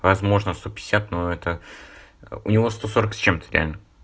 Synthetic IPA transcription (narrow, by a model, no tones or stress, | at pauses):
vɐzmo̞ʐnəst̪o̞pʲɪ̥ɪsʲat̪noɛt̪ə | ʊ̰nʲɪvo̞st̪o̞so̞ɾəksʲt͡ɕe̞mt̪ə̥ɾʲɪ̰a̰lʲnə